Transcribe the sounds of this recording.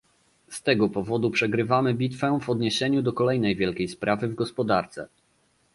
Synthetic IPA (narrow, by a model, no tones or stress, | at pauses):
st̪ɛɡɔpɔvɔd̪upʂɛɡɾɘvamɘbʲit̪fɛvɔd̪ɲeɕɛɲud̪ɔkɔlɛjnɛjvʲjɛlkʲejspɾʔavɘvɡɔspɔd̪aɾt̪sɛ̰